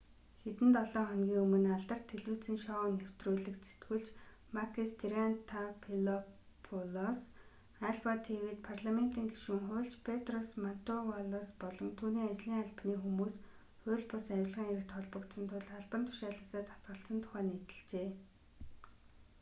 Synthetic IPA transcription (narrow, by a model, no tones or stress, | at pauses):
xet̪ɘ̆nt̪ɔɮɔːχœnɡʲiːŋɵmɵ̆naɮt̪ə̆r̥t̪ʰːeɮuːt͡sɘ̆ŋʃɔŋew̥t̪ruːɮɘ̆kse̥t̪ɡŭɮt͡ɕ | makʰist̪erɾant̪ʰapʰilɔ | pʰɔlɔs | aɮpat̪ʰewiːt̪̚pʰarɮamen̥t̪iːŋɡeʃŭŋχʊːɬt͡ɕpʰet̪rɔsman̥t̪ʊwaɮɔspɔɮɞ̆mt̪ʰuːniːat͡ɕɮiːŋaɮpniːxumuːs | xʊːɮpʊsæwɪ̆ɮʁiːŋĕkt̪ʰɔɮpə̆kt̪sə̆nt̪ʰʊɮχaɮpə̆nt̪ʰʊ̥ʃaːɮə̆saːt̪ḁt̪ɢə̆ɬsə̆nt̪ʰʊ̥χæːnit̪ɘ̆ɮt͡ɕeː